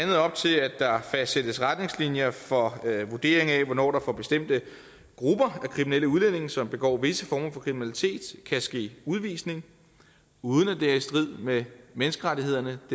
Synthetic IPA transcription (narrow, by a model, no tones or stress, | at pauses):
ænð̞̩ˠɒ̽b̥̚t͡sʰe̝læd̥ɑ̈fæsd̥sed̥əsʁad̥ne̝ŋslinjɐfɒ̽ʋud̥e̝̰ːɐ̰e̝ŋæʋɒnɒ̰ːɾ̥ɑ̈fɒb̥e̝sd̥em̰d̥ə | ɡ̥ʁub̥ɐækʰʁiminel̰əuð̞ˠlene̝ŋsɒ̽mb̥e̝ɡ̥ɒ̰ːʋe̝səfɒːmɐfɒ̽kʰʁiminælit͡sʰe̝̰ːd̥kʰæsɡ̥e̝̰ːuðˠʋḭːsne̝ŋ | uːð̞ˠənæd̥eæɐisd̥ʁið̰ˠmemenəsɡ̥əʁaɾie̝ð̰ˠɐnəd̥